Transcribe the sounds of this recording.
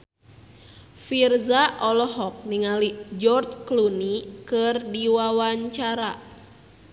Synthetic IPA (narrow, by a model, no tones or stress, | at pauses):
firzaʔɔlɔɦɔk̚niŋalid͡ʒɔrt͡ʃklunikɨrdiwawaɲt͡ʃaɾa